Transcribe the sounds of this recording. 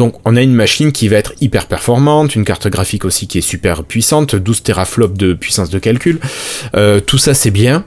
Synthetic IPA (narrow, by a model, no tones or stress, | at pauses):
d̪̥ɔ̃kɔ̃naynmaʃinkʲivaɛt̪χipɛʁpɛʁfɔʁmɑ̃t̪ynkaʁt̪ɔɡʁafikosikʲiɛsypɛʁpɥisɑ̃t̪d̪uzt̪eʁaflɔp̚d̪əpɥisɑ̃sd̪əkalkʲyløt̪usasɛbjɛ̃